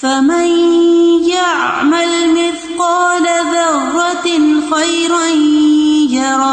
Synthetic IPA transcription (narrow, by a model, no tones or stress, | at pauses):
famanjaʕmalmɪθqɑːlaðɑrˤːɑxajɾand͡ʒɑɾˤɑː